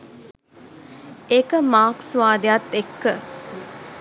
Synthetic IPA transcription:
ekəmaːksʋaːd̪ejat̪ːekːə

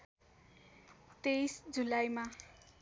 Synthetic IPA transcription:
t̪ejsd͡zulajma

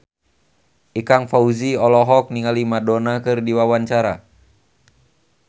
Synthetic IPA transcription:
ʔikaŋfauziɔlɔɦɔk̚niŋalimadɔnakɨrdiwawaɲt͡ʃaɾa

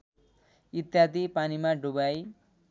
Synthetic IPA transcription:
it̪jad̪ipanimaɖubaj

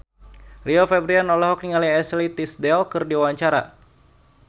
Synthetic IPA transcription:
riofɛbɾianɔlɔɦɔk̚niŋaliɛslit̪isdɛlkɨrdiawaɲt͡ʃaɾa̰

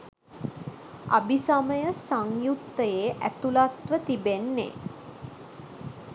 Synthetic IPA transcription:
a̰bisaməjəsaŋjukt̪ːəjeːʔæt̪ulat̪ʋət̪ibenːḛ

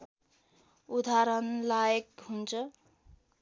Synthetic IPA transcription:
ud̪ʱaɾʌnlajekɦunt͡sʰʌ

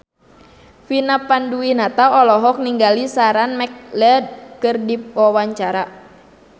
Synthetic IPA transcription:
finapanduinat̪aɔlɔɦɔk̚niŋɡalisaɾanmɛk̚lɛd̪̚kɨrdipɔwaɲt͡ʃaɾa

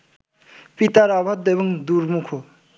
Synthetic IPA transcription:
pit̪aɾabʱat̪̚dejbʌŋd̪uɾmukʰo

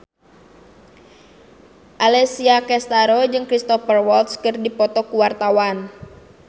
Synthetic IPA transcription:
ʔalɛsiakɛst̪aɾɔd͡ʒɨŋkɾist̪ɔfərwɔlt̪skərdipɔt̪ɔkuwart̪awan

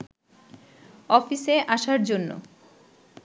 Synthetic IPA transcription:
ɔfiseʔaʃaɾd͡ʑonːo̰

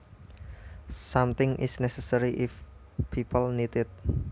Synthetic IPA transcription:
samt̪ɪŋʔɪ̰snɛsɛsəɾiʔɪf | pʰipəlnit̪ɪt̪̚

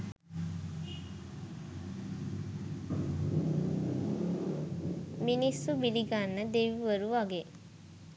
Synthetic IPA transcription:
minisːubiliɡanːəd̪eʋiʋəɾuʋaɡe

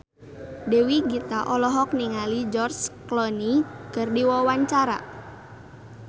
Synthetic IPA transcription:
dewiɡit̪aʔɔlɔɦɔk̚niŋalid͡ʒɔrsklɔnikɨrdiwɔwaɲt͡ʃaɾa̰

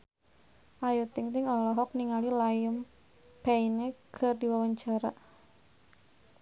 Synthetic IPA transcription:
ʔajut̪ɪŋt̪ɪŋɔlɔɦɔk̚niŋalilajəm | painekʰərdiwawaɲt͡ʃaɾa

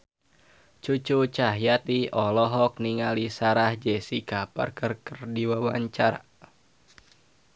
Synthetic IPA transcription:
t͡ʃut͡ʃut͡ʃaɦjat̪iɔlɔɦɔk̚niŋalisaɾahd͡ʒɛsikapa̰rkərkərdiwawaɲt͡ʃaɾa̰

